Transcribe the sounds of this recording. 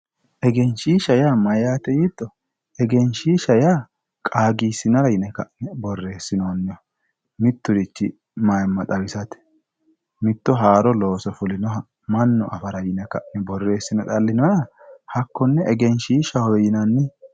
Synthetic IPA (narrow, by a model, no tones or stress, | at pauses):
ʔɛɡɛnʃiːʃɐjaːmɐjaːt̪ɛjit̪ːɔ | ɛɡɛnʃiːʃɐjaː | kʼaːɡiːsɪnɐɾɐjɪnɛkɐ̰ʔɪnɛbɔrːe̞ːsːɪnoːnːɪ | mɪt̪ːʊd̪ɪt͡ʃːɪ | mɐjmːɐt̪ʼɐwɪsɐt̪ɛ̥ | mɪt̪ːɔɦaːɾɔlo̞ːsɔfʊlɪnɔɦɐ | mɐnːɔʔɐ̰fɐɾɐjɪnɛkɐʔɪnɛbɔrːe̞ːsːɪnɛt̪ʼɐlːɪnɔjɐ | hɐkːɔnːɛɛɡɛnʃiːʃɐhɔjɪnɐnːɪ